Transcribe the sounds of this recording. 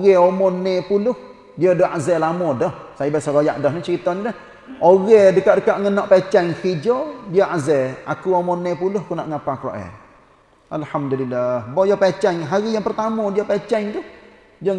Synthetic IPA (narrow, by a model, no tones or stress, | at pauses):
oɣɛomɔnɛpulʊh | diədɔʔazɛlamɔdɔhsajibasaɡoja̰ʔdɔhnit͡ʃəɾit̪ɔniləh | oɣɛdəkaʔdəkaʔŋənɔʔpat͡ʃɛŋkid͡ʒɔdiəʔazɛakuomɔnɛpulʊhkunaʔŋapakɾɔ̰ʔɛ̰ | ʔalhamdulilːahbɔjɔpat͡ʃɛŋɦaɾijaŋpərt̪amɔdiəpat͡ʃɛŋt̪uh | d͡ʒəŋ